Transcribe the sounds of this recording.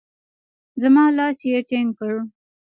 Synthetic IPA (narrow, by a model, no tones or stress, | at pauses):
zamɑlɑsjeʈeŋkəɻu